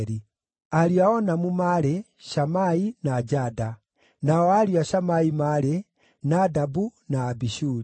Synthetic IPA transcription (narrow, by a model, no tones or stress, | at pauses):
ɾi | aliaɔnamumaɾɛ | ʃamainad͡ʒada | naɔaliaʃamaimaɾɛ | nadabunaːbiʃuɾi